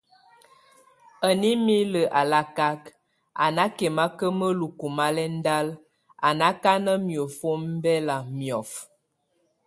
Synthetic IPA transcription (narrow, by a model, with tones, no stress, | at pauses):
ə˨ni˦mi˦lə˨ʔa˨la˦ka˦k | a̰˨na˦kɛ˨ma˦kə˦mə˦lu˨ku˨ma˦lɛ˦n̩˦da˦l | a˨na˦ka˦nə˦mjo˨fo˦m˦bɛ˦la˨mjɔ˨f